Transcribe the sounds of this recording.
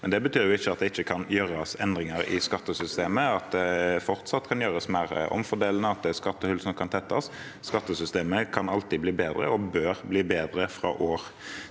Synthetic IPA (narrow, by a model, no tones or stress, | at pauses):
mɛnd̪ɛbət̪ʰyːʁjʊɪçːəɑt̪̚d̪ɛɪçːəkʰɑnjøːɾɑsɛnd̪ʁɪŋəɾɪ̰skɑt̪ːəsʏst̪eːməɑt̪̚d̪ɛfɔʁt̪sɑt̪ːkʰɑnjøːʁəsmæːʁʔɔ̰mfɔd̪eːln̩əɑt̪̚d̪ɛskɑt̪ːəhʉlsn̩kʰɑnt̪ʰɛt̪ːɑsː | kɑt̪ːəsʏst̪eːməkʰɑnɑlt̪ibliːbeːd̪ɾə̰ɔbøːʁbliːbeːd̪ɾəfɾɑ̰ːʔoːʁ